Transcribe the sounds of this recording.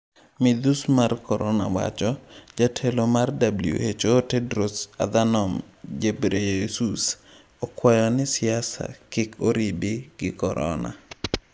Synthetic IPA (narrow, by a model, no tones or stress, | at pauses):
mɪd̪usmarkɔɾɔna̰wa̰t͡ʃɔd͡ʒatʰelomardabliṵhet͡ʃoːtɛdɾosa̰d̪anɔm | d͡ʒebɾesus | ɔkwajɔnɪsɪasa̰kɪkʰoɾibiɡɪkɔɾʔɔ̰na̰